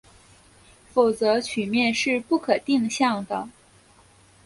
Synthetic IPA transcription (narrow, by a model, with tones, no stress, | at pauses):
fo˨˩ʊt͡sɤ˧˥t͡ɕʰy˨˩mjɛ˥˧nʂɻ̩˥˧pu˥˩kʰɤ˨˩t̪i˥˧ŋɕjɑ˥˩ŋd̪ə˩